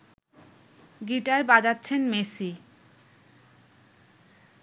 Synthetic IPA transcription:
ɡiʈaɾbad͡ʑatːɕʰenmesi

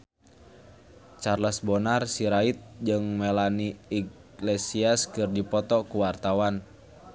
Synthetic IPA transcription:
t͡ʃarlasbɔnarsiɾait̪̚d͡ʒɨŋmɛlaniiɡ | lɛsiaskɨrdipɔt̪ɔkuwart̪awan

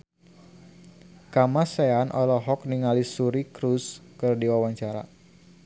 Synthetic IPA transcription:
kamaseanʔɔlɔɦɔk̚niŋalisuɾikɾuskɨrdiwawaɲt͡ʃaɾa̰

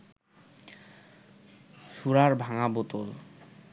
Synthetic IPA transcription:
ʃuɾaɾbʱaŋabot̪ol

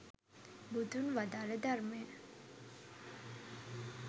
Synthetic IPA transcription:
bud̪ʱunʋad̪aɾəd̪aɾme

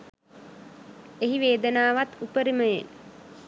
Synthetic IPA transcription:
eɦiʋeːd̪ənaːʋat̪upəɾiməjen

